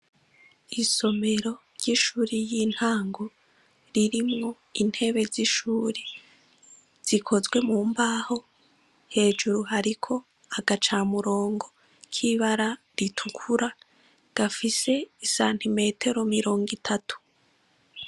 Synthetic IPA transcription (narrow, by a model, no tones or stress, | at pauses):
iso̞me̞ɾo̞ɾɟ̥iʃuːɾijiːn̥haːŋɡo | ɾiɾimŋo̞ | in̥he̞βe̞ziʃuːɾe | z̥ikʰo̞zɡwe̞muːmbaːho̞ | he̞ːd͡ʒuɾuɦaɾikʰo̞ | aɡat͡ʃaːmuɾo̞ːŋɡo̞ | kʰiβaɾa | ɾitʰukʰuɾa | ɡ̥afise̞isaːn̥ime̞ːtʰe̞ɾo̞miɾo̞ːŋɡitʰatʰu̥